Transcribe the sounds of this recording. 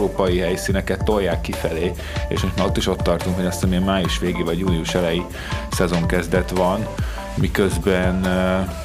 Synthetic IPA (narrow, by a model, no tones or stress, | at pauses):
ɾoːpɒjiɦɛjsinɛkɛt̪ːo̞jːaːkːifɛleː | ḛːʃmo̞ʃmaːo̞t̪ːiʃo̞t̪ːɒrt̪uŋkho̞ɟɒst̪ɛmiɛmaːjuʃʋeːɡeːvɒɟjuːniuʃɛlɛji | sɛzo̞ŋkɛzd̪ɛt̪ʋɒn | mikøzbɛn